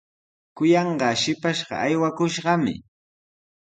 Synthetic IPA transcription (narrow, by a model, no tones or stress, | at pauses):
kʊjɑɴɢɑʃɪpaʃɢɑ̰ajwakʊʃɢɑmɪ̰